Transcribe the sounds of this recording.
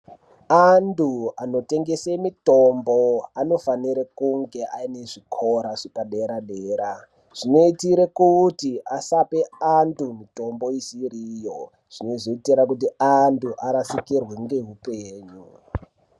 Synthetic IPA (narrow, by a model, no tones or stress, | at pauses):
anduano̞te̞ŋɡesemitombo̞ano̞faniɾekuŋɡe̞ʔa̰ine̞ʐikʰoɾaʐ̥ipaɗeɾaɗeːɾa | ʐ̥ino̞itiɾekutiasape̞andumito̞mbo̞isiɾijo̞ | ʐ̥ino̞ʐoitiɾakut̬iantuʔaɾasikirweŋɡe̞ɦupeːɲu